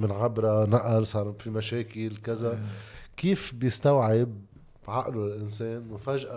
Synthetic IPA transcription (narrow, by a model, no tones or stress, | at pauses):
mɪnʕabɾˤanaʔaɾsˤɑːɾˤfimaʃeːkɪlkɪzakiːfbjɪst̪awʕɪb̚ | ʕaʔluɪlʔɪnseːnmʊfaːʒʔa